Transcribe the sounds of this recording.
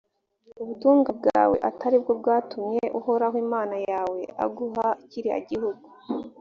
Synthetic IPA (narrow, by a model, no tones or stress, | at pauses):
uβutuːŋɡab̚ɡa̰ɾa̰wḛʔataɾib̚ɡob̚ɡaːtumɲe̞ʔuho̞ɾaɦwimaːnajaːwe̞a̰ɡuɦaciɾia̰ɟihuɡu